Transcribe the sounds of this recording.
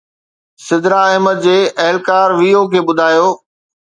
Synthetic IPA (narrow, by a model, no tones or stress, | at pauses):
sɪd̪ɾaɛɦməd̪̚d͡ʑeːʔɐɦlkaːɾʋiːokʰeːɓʊd̪ʱaːjoː